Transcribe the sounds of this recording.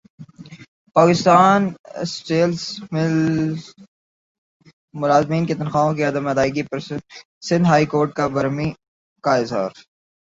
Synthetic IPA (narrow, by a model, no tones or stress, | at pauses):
paːkɪst̪aːnsʈeːlsmɪl | mʊlaːzmiːnket̪ɐnxaːõkeɐd̪əmɐd̪aːɪɡipɐɾ | sɪ̃nd̪ɦaːikoːɾʈ̚kabɐɾmĩ | kaɪzɦa̰ːɾ